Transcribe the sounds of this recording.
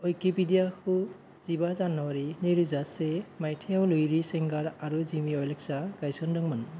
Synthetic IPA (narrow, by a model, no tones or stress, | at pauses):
ɔjkepidijakʰu | zibazanːɔwaɾinɔjɾuzasemajtʰejawlujɾiseŋɡaɾaɾuzimiɔjlek̚saɡ̥ajsɔndɯŋmɯn